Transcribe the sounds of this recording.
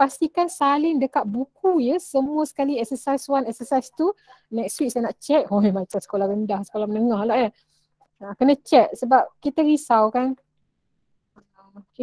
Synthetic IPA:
past̪ikansalɪŋdəkat̪̚bukujəsəmuəsə̥kaliɛksəsajswanɛksəsajst̪u | nɛkstwik̚sajnaʔt͡ʃɛʔ̚ojmãt͡ʃamsə̥kolahɾəndahsə̥kolahmənəŋãhlaʔjə | ãkənat͡ʃɛt̪̚səbap̚kit̪əɾisawkan | oke

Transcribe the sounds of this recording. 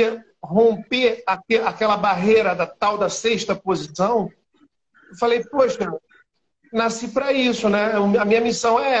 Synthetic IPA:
ɐ | ɦõpeakeakɛlɐbaɦejɾɐd̪ɐt̪awd̪ɐseʃt̪ɐpozisɐ̃w̃ | ewfalejpoʃɐ | nasipɾɐisʊnɛʊmɐmĩɲɐmisɐ̃w̃ɛ

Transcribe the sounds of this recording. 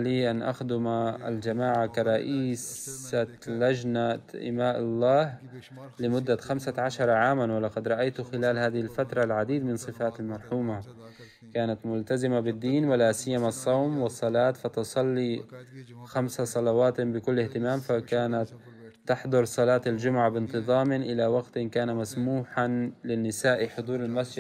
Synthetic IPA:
liːʔanʔa̰xd̪ʊmaa̰ld͡ʒamaːʕakaɾˤɑʔiːsa | lad͡ʒnaʔɪ̰maːʔɑlˤːɑːh | lɪmʊd̪ːaxamsaʕaʃɑɾˤɑʕaːmanwɪlɑqɑd̪ɾˤɑʔajt̪ʊxɪlaːlhaːðɪhɪlfat̪ɾˤɑlʕad̪iːd̪mɪnsˤɨfaːt̪almɑɾˤħuːma | kaːnat̪mʊlt̪azɪmabɪd̪ːiːnwɪlaːsɪjːamasˤːɑwmwɪsˤːɑlɑːt̪fɑt̪ʊsˤɑlːi | xamsasˤɑlɑwɑːt̪bɪkʊlːɪht̪ɪmaːmfakaːnat̪ː | ɑħd̪ˤʊɾˤsˤɑlɑːt̪ald͡ʒʊmʊʕabɪnt̪ɨðˤɑːmɪʔɪlawaɡt̪ɪnkaːnamasmuːħalɪnːɪsaːʔiħʊd̪ˤuːɾɪlmasd͡ʒɪd̪

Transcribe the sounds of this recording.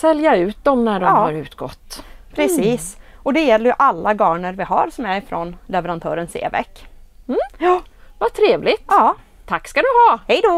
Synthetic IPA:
sɛljaʉ̟ːt̪̚d̪ɔmnæɖɔɑːhaɾʉ̟ːt̪ɡɔ̰t̪ːpʰɾɛsiːs | ʔɔd̪ɛjɛlːəɾjɵʔalːaɡɑːɳəɾvɪɦa̰ɾsɔmæɾɪfɾɔnlɛvɛɾant̪ʰœ̰ːɾənsḛːvɛ̰kː | m̩ː | vat̪ʰɾeːvlɪt̪ɑː | t̪ʰakːskad̪ɵɦɑhɛjd̪o

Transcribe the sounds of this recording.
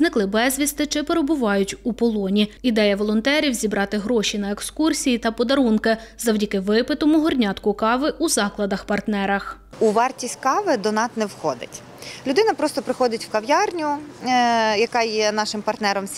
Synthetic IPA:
znɪklˠɪbɛzʲʋʲist̪ɪt͡ʃɪpeɾebʊʋɑjʊtʲupɔlˠɔnʲiid̪ɛjɐʋɔlˠɔnt̪ɛɾʲiwzʲibɾɑt̪ɪɦɾɔʃʲinɐekskursʲijit̪ɐpɔd̪ɐɾunkɪzɐwdʲɐkɪʋɪpɪt̪ɔmʊɦɔrnʲɑt̪kʊkɑʋɪʔuzɑklˠɐd̪ɐxpɐrt̪nɛɾɐx | uʋɑrtʲisʲtʲkɑʋɪd̪ɔnɑsnɛwxɔd̪ɪ̰tʲ | lʲʊd̪ɪnɐpɾɔst̪ɔpɾɪxɔd̪ɪtʲwkɐʋjɑrnʲʊ | jɐkɑjɛnɑʃɪmpɐrt̪nɛɾɔmʲ

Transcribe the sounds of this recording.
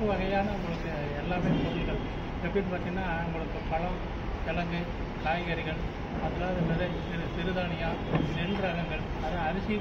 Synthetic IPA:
ɯʋɐɣɐjaːnɐʊŋɡɐɭɯkːɯ | ɛlːaːpeːɾsɐsɪɣɐɭ | ɛpːɽiʈːɯpaːɾt̪iŋɐnːaːʊŋɡɐɭɯkːɯpɐlɐm | kɛlɐŋɡɯ | kaːjɣɐɾɪɣɐɭ | ɐðɐlaːɾɯnɾɐðeːsɪɾɯsɪɾɯðaːnɪjaːnɛɽdɾɐɣɐŋɡɐɭ | ɐðãɐɾɪsɪ

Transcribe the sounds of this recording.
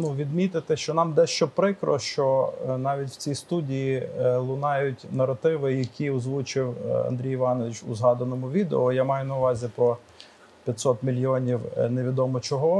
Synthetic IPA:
nuʋʲid̪mʲit̪ɪt̪ɪʃt͡ʃɔnɑmd̪ɛʃt͡ʃɔpɾɪkɾɔ̰ʃt͡ʃɔnɑʋʲitʲw̥t͡sʲijst̪udʲijilˠʊnɑjʊtʲnɐɾɐt̪ɪʋɪjɐkʲʰiɔzʋut͡ʃɪwɐ̰nd̪ʲɾʲijɪʋɑnɔʋʲit͡ʃʊ̰zɦɑd̪ɐnɔmʊʋʲid̪eɔjamɑjʊnɐʊʋɑzʲipɾɔ | pʲjɐt̪ʲsɔt̪mʲilʲjiɔnʲiwneʋʲid̪ɔmɔt͡ʃɔɦɔ

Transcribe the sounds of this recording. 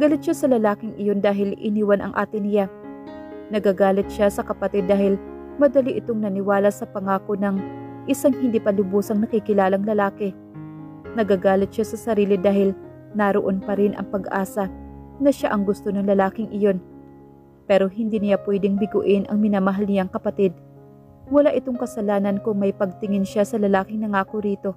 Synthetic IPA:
ɡɐlɪt̪̚ʃasɐlɐlaːkɪŋɪjo̞nd̪aːɦɪlɪ̰niːwɐnɐ̰ŋʔa̰ːt̪ɪnɪja | nɐɡaɡaːlɪt̪̚ʃasɐkɐpɐt̪ɪd̪ːaːhɪl | mɐd̪ɐliʔɪt̪o̞ŋnɐnɪwaːlɐsɐpɐŋaːko̞nɐŋʔɪsaŋhɪnd̪ipɐlʊbusɐŋnɐkikɪlaːlɐŋlɐlaːkɪ | nɐɡaɡaːlɪt̪̚ʃasɐsɐɾiːlɪd̪aːhɪl | naɾoʔo̞npɐɾɪnʔɐ̰ŋpɐɡʔa̰ːsɐnɐʃaʔɐŋɡʊst̪o̞nɐŋlɐlaːkɪŋʔɪjo̞n | pɛːɾo̞ɦɪnd̪iːnɪjapwɛd̪ɪŋbɪɡʊʔɪnʔɐ̰ŋmɪnaːmɐɦɐlnɪjaŋkɐpɐt̪ɪd̪̚ | wɐlaʔɪt̪o̞ŋkɐsɐlaːnɐnkʊŋmɐjpɐɡ̚t̪ɪŋɪnʃasɐlɐlaːkɪŋnɐŋaːkoɾiːt̪o̞

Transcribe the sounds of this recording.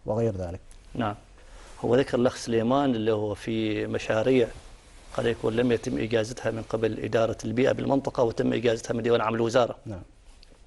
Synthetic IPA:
wɪɣejɾðaːlɪknaʕam | hʊ̰wːaðakɑɾˤlaxsɪleːmaːnʔɪlːihʊwːfimaʃaːɾiːʕ | qɑd̪jakṵːnlamjat̪ɪmːʔɪ̰d͡ʒaːzat̪hamɪnqɪbalʔɪ̰d̪ɑːɾˤɑlbiːʔa̰bɪlmɪnt̪ˤɨqɑwɪt̪ɪmːʔɪ̰d͡ʒaːzat̪hamɪnd̪awaːnʕamɪlwɪzɑːɾˤɑna

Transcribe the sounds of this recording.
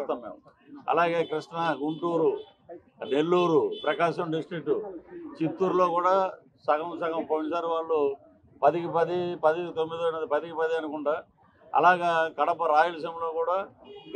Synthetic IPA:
t̪ːaːmːḛːm | ɐ̰laːɡe̞ːkɾiʂɳɐɡuɳʈuːɾu | ne̞lːuːɾupɾɐkaːʃɐmɖisʈɾik̚ʈːut͡ʃit̪ːuɾlo̞ːkuːɽaː | sɐkɐmsɐɡɐmpɐnisaːɾuʋaːɭːu | pɐd̪ikipɐd̪ipɐd̪it̪omːid̪oːnɐd̪ipɐd̪ikipɐd̪iɐnukuɳɖaː | ɐ̰laːɡaːkɐɽɐpɐɾaːjulɐs̬ɐmlo̞ːkuːɽaː

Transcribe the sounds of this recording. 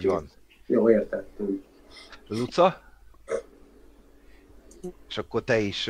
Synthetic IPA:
vɒ̰n | joːeːrt̪ɛt̪ːyŋk | lut̪sɒ | eʃɒkːo̞rt̪ɛiʃ

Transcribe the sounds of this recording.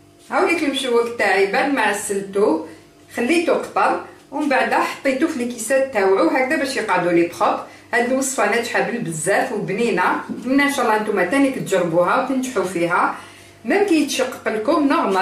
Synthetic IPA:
hæwlikəlmʃuwːəkt̪ːaʕibænmaʕsːəlt̪ub | xælːit̪uqt̪ˤɑɾˤwəmbaʕd̪æħɑ̥t̪ˤːit̪ufilikisæt̪ːæwʕuwɦæk̚d̪æbæʃjəqʕd̪ulibxət̪ˤ | hæd̪uwəsˤfænæt̪ħabəlbəzːæfwbninæmənːænʃɑlːɑʔənt̪umæt̪ænikt̪ʒəɾˤːbuɦæwt̪ənt̪ħufiɦæ | mækæjət̪ʃɑqːɑ̥qəlkʊmnoɣmɑ

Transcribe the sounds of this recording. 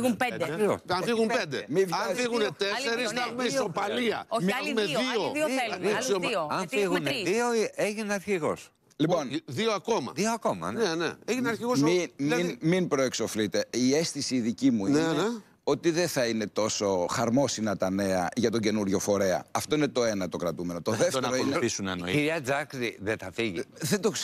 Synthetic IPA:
ɣumped̪ɐnfiɣumpend̪emivɐfiɣunet̪eeɾisɐexumesopɐliɐ̰omumeioisooɐnfiɣuneðioieʝineɐɾçiɣo̞s | lipo̞nðioɐko̞mɐ̰ðioɐko̞mɐ̰nnenḛeʝineɐɾçiɣosiminminpɾo̞ekso̞flit̪e̞iesθisiːðicimuine | o̞t̪iðeθɐine̞t̪o̞so̞xɐɾmo̞sinɐt̪ɐne̞ɐʝɐt̪o̞ɲɟe̞nuɾʝo̞fo̞ɾe̞ɐ̰ɐft̪o̞inet̪o̞e̞nɐt̪o̞kɾɐt̪ume̞no̞t̪oðefteɾoineisunenoiɾiɐd͡zɐkɾiðeθɐfiʝiðed̪o

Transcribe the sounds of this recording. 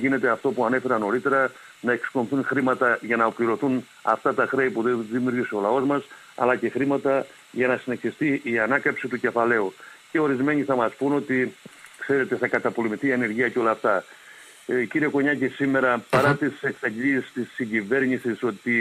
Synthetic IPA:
ʝine̞t̪e̞ɐft̪o̞puɐne̞fe̞ɾɐno̞ɾit̪e̞ɾɐ | nɐe̞ksko̞nθunxɾimɐt̪ɐʝɐnɐopliɾo̞θun | ɐ̰ft̪ɐt̪ɐxɾe̞ipuðeðimjuɾʝiseo̞lɐo̞zmɐs | ɐ̰lɐce̞xɾimɐt̪ɐ | ʝɐnɐsine̞çist̪iʔiɐnɐkɐpsit̪uce̞fɐle̞uce̞o̞ɾizme̞ɲiθɐmɐspuno̞t̪ikse̞ɾe̞t̪e̞θɐkɐt̪ɐpo̞le̞miθiɐne̞ɾʝiɐceo̞lɐːft̪ɐ | ciɾieko̞ɲɐcisime̞ɾɐpɐɾɐt̪ise̞ksɐʎiist̪isːiɲɟive̞ɾɲisiso̞t̪i

